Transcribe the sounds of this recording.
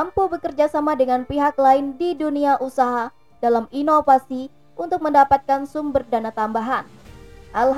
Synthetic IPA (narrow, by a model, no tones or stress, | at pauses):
ampubəkərd͡ʒasamadəŋanpiɦaklaɪndiduniaʔusaɦa | d̥alaminofasi | ʔunt̪ʊk̚məndapat̪̚kansumbərdanat̪ambaɦanʔalɦ